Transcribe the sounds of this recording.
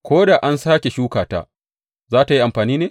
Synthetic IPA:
kʷoː˦da˨ʔa˦nsaː˦kʲe˨ʃuː˦kaː˨ta̰ː˦ | zaː˦ta˨ji˦ʔa˨mɸaː˨niː˦neː˨

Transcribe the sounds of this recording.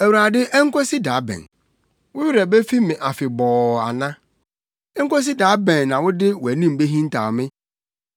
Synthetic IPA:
æ˨wu˨ɾa˨dɪ˦ʔɛ˦ŋ̩˦kɔ˦si˦daː˨˦bɛ̰̃˨n | wʊ˦ɥɪ˦ɾɛ˨be˦fi˦mɪ̃˨ʔa˨fɪ˨bɔː˨a̰˨nã˦ | ɛ˦ŋ̩˦kɔ˦s̬i˦da˨˦bɛ̃˨nnã˨wʊ˦dɪ˦wʊ˨æ˨nĩ˦m̩˨be˦ɦĩ˦n̩˦tʰa̰ː˨mɪ̃˦

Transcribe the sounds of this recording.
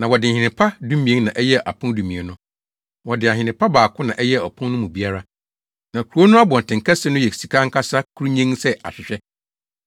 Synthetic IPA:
nã˨wɔ˨dɪ˨hɪ̃˨nɪ̃˨pʰa˦dũ˦mĩ˨ẽ˦nã˨ʔɛ˦jɛ˦ʔa̰˨pʰʊ̃˦n˦dũ˨mĩ˨ẽ˨nʊ̃˦ | wɔ˨dɪ˨a˨ɦɪ̃˨nɪ̃˨pʰa˦baː˨kʰʊ̃˦nã˨ʔɛ˦jɛ˦˨ɔ˨pʰʊ̃˦nnʊ̃˦mũ˨bi˦a˦ɾa˦ | nã˨kʰu˨ɾu˦o˦nʊ̃˦a˦bɔ̃˨n˨tʰɪ̃˨ŋ̩˨kʰa˦sɪ˦nʊ̃˦jɛ˨si˨kʰa˦ŋ̩˦kʰa˦sa˦kʰu˦ɾu˦ɲĩ˦ŋsɛ˦a̰˨ɕᶣɪ˨ɕᶣɛ˦

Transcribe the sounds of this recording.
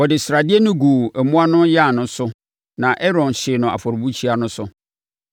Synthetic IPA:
wɔ˨dɪ˨sɾa˨dɪ˦e˦nʊ̃˦ɡu˨ɛ˨mũ˦a˦nʊ̃˦ja˦˨nʊ̃˦sʊ˦ | nã˨ʔɛ˦ɾɔ̃˨n˨ɕɪ˨nʊ̃˨a̰˨fɔ˨ɾʊ˨bu˦t͡ɕʰi˦a˨nʊ̃˦sʊ˦

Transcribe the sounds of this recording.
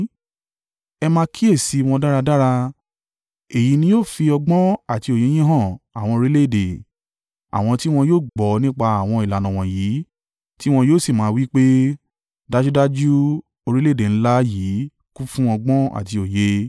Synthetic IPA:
ɛ˧mãː˧˦kʰi˦e˦˨si˨˧w̃ɔ̃˧da˦ɾa˧da˦ɾa˧ | e˨ji˨˦nĩ˨˦joː˦˨fi˧ɔ˧ɡ͡bɔ̃˦a˨ti˧o˨je˨˦j̃ĩ˦ɦɔ̃˦˨a˨w̃ɔ̃˧o˧ɾi˦le˦˨de˨ | a̰˨w̃ɔ̃˧ti˦w̃ɔ̃˧joː˦˨ɡ͡bɔ˨nĩ˦k͡pa˧a˨w̃ɔ̃˧i˨la˨nɔ̃˨w̃ɔ̃˨jiː˨˦ | ti˦w̃ɔ̃˧joː˦˨si˦˨mãː˨˦˧wi˦k͡pe˦ | da˦d͡ʒu˦da˦d͡ʒu˦ | o˧ɾi˦le˦˨e˨ñ̩˦la˦jiː˨˦ | ku˦fũ˦ɔ˧ɡ͡bɔ̃˦a̰˨ti˧o˨je˨˦

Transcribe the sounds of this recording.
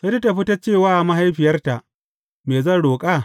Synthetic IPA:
se˦ta˦ta˨ɸi˦tɐ˦t͡ʃeː˦˨waː˦ʔa˨ma˦ɦa˦jɸɪ˨jɐ˦rta˨ʔ | meː˨zɐ˦˨nɽoː˨kʼa˦˨

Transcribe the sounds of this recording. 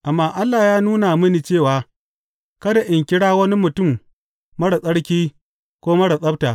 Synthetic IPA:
ʔa˨mːaː˦ʔa˦lːaː˨jaː˦nuː˦na˨mɪ˦ni˨t͡ʃeː˦˨waː˨ | kɐ˦da˨ʔɪ˨ŋkʲɪ˦ɽaː˦wɐ˦ni˦mʊ˨tʊ˦˨m | mɐ˦ɽa˨sʼɐ˦ɽkʲiː˦ | kʷoː˦mɐ˦ɽa˨sʼɐ˦btaː˨

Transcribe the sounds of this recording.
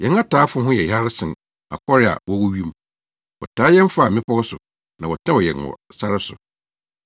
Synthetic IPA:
jɛ̃˨n˦a˦tʰaː˨˦fʊ˦ɦʊ̃˦jɛ˨ja˦ɾɪ˦sɪ̃˨n | a̰˨kʰɔ˦ɾɪ˦a̰˨wɔ˦wɔ˦ɥi˦m˦ | wɔ̰˨tʰaː˨˦jɛ˦m˦fa˨mɪ̃˦pʰɔ˦sʊ˨ | nã˨wɔ˨tʰɛ̃˦wɔ˨jɛ̰˨nwɔ̰˨sa˦ɾɪ˦sʊ̰˨

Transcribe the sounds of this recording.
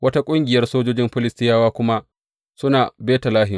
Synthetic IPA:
wɐ˦ta˦kʷʼʊ˦ŋɡʲɪ˨jɐ˦rsoː˦d͡ʒoː˦d͡ʒɪ˦mɸɪ˦lɪ˦stɪ˦jaː˦waː˦kʷʊ˦ma˦ʔ | sʊ˦naː˨beː˦ta˨laː˦ɦɪ˨

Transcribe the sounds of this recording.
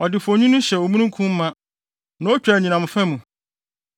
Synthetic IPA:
ɔ˨dɪ˨fɔ˨ɲũ˦nʊ̃˦ɕɛ˨o˨mũ˦nũ˦kʰũ˦m̩˦mã˦ | nã˨˦o˦t͡ɕᶣɾa˨ɲĩ˨nã˨mʊ̃˨fɛ˦mũ˨

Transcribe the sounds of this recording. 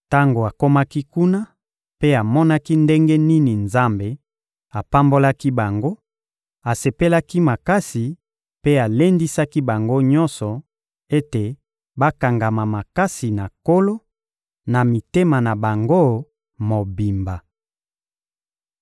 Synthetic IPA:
ta˦ŋɡo˨a˨ko˦ma˦ki˦ku˦na˦ | pe˦a˨mɔ˦na˦ki˦nde˦ŋɡe˦ni˦ni˨nza˦mbe˨ | a˨pa˦mbo˦la˦ki˦ba˨ŋɡo˦ | a˨se˨pe˦la˦ki˦ma˨ka˦si˨ | pe˦a˨le˦ndi˦sa˦ki˦ba˨ŋɡo˦ɲɔ˦nsɔ˨ | e˦te˨ | ba˦ka˨ŋɡa˨ma˨ma˨ka˦si˨na˨ko˦lo˦ | na˨mi˨te˦ma˨na˨ba˨ŋɡo˦˨ | mo˨bi˨mba˨

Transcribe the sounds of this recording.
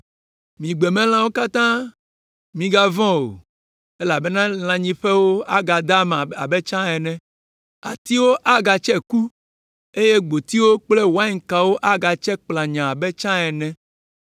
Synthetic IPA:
mĩ˨ɡ͡be˨mɛ̃˦l̃ã˦wo˦ka˦t̪ã˦ | mĩ˨ɡa˦vɔ̃˦wo̰˨ | e˦la˨be˦nã˦l̃ã˨ɲĩ˦ɸɛ˦wo˦a˦ɡa˨d̪a˦ma˨a̰˨bɛ˦t͡ʃã˦ɛ˨nɛ̃˦ | a˨t̪i˦wo˦ʔa˦ɡa˨t͡ʃɛ˦ku˦ | e˦je˦ɡ͡bo˨t̪i˦wo˦k͡ple˦wa˦i˦ŋ̩˨ka˨wo˦ʔa˦ɡa˨t͡ʃɛ˦k͡pla˨ɲã˨a˨bɛ˦t͡ʃã˦ɛ˨nɛ̃˦

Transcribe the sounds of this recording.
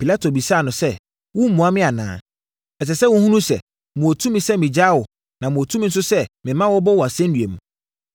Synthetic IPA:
pi˨la˦tʰo˨bi˨saː˦˨nʊ̃˨sɛ˦ | wʊ˦m̩˦mũ˨a˦mɪ̃˦a˨nã̰ː˨ | ɛ˨s̬ɛ˨sɛ˦wʊ̃˦hũ˦nũ˦sɛ̰˨ | mʊ̃˨o˨tʰũ˦mĩ˨sɛ˦mɪ̃˨d͡ʑa˦wɔ˨ | nã˨mʊ̃˨o˨tʰu˦mĩ˨n̩˦s̬ʊ˦sɛ˦mɪ̃˨mã˦wɔ˦bɔ˦wɔ˨a˨sɛ̃˦n̩˦dɥḛ̃˨m˨

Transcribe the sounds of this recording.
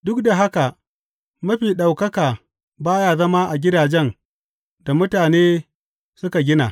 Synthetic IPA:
dʊ˦kda˨ɦa˦ka˨ | mɐ˦ɸiː˨ɗa˨wkɐ˦kaː˨ | baː˦jaː˦˨zɐ˦maː˦ʔa˨ɡʲɪ˦daː˨d͡ʒɛ˦n | da˨mʊ˦taː˨neː˦ | sʊ˦ka˨ɡʲɪ˦na̰ː˨

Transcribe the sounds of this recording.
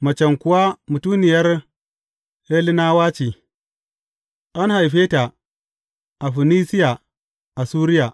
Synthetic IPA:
mɐ˨t͡ʃɛ˨ŋkʊ˦wa˦mu˨tuː˦nɪ˨jɐ˦r | he˦li˦na˦waː˦t͡ʃiː˨ | ʔa˦nha˨jɸeː˦ta˨ | ʔa˨ɸi˨ni˦sɪ˦ja˨ | ʔa˨suː˦ɾɪ˦ja˨

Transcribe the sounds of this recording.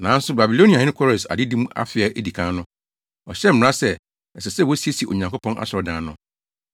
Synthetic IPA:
nã˨˦n̩˦sʊ˦ba˨bi˨lo˦ni˨a˨ɪ̃˦nɪ̃˦kʰɔ˦ɾɛ˨sa̰˨dɪ˦dĩ˦m˦a̰˦fɪ˨ɛ˦ʔe˦di˨kʰã˦nʊ̃˦ | ɔ˨ɕɛ˦m̩˦m˨ɾa˦sɛ˦ | ɛ˨sɛ˨sɛ˦wo˦si˦e˦si˨e˨ʔo̰˨ɲã˨ŋko˦pʰɔ̃˦nʔa̰˨ɕɔ˨dãː˨˦nʊ̃˦

